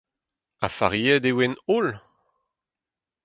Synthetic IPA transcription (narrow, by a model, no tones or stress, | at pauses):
a̰fa̰ʁiɛd̪ewenol